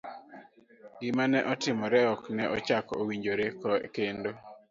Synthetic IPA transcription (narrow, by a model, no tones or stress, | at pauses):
ɡɪmanɛʔɔtɪmɔɾɛɔknɛʔɔt͡ʃakowiɲd͡ʒoɾekɔɛkendo